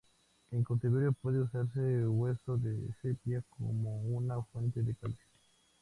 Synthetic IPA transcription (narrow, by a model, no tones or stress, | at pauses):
eŋkot̪iβeɾjopwe̞ðeusaɾseɣwesoðesepjaskʰomounafwe̞nt̪eðekalsi